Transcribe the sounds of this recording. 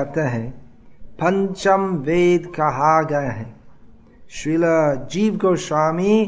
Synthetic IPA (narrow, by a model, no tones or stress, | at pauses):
t̪eɦɛ̃ | pɐ̃ɲt͡ʃəmʋeːd̪kɐɦaɡɐeɦɛ̃ | ʃɪləd͡ʒiːʋkoʃaːmi